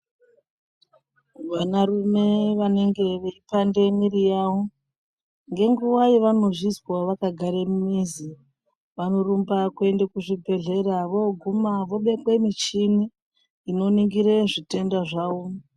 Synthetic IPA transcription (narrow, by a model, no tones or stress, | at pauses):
ʋanarume̞ʋane̞ŋɡe̞ʋeipandemiɾijawo | ŋɡe̞ŋɡuwaiʋano̞ʐizwaʋakaɡʱaɾemumizi | ʋano̞rumbakue̞ndekuʐibʱe̞ɮe̞ɾaʋo̞ɡʱumaʋo̞ɓe̞kwemit͡ʃiniː | noniŋɡiɾeʐite̞ndaʐaːwo